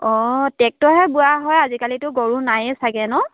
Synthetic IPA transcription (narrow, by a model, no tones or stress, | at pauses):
ɔtɛk̚tɔɦɛbʊaɦɔjazikalitʊɡɔɹunajsaɡɛnʊ